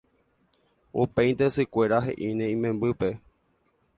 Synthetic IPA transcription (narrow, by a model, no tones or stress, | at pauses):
upẽj̪̃t̪esɨkʷe̞ɾaɦe̞̰ʔinẽĩmẽ̞mbɨpe̞